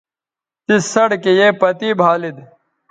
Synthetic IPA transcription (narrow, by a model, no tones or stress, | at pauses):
t̪isɐɽkejepɐt̪iːbʱaːlid̪